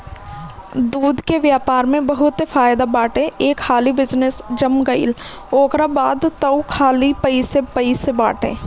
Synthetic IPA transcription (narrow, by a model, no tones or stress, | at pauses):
d̪uːd̪keʋjaːpaːɾmẽbɐɦʊt̪efaːɪd̪abaːʈẽʔeːkʰhaːlibɪd͡ʒnəsd͡ʒəmɡəḭl | oːkɾabaːd̪t̪əukʰaːlipəisepəiseba̰ːʈḛ̃ː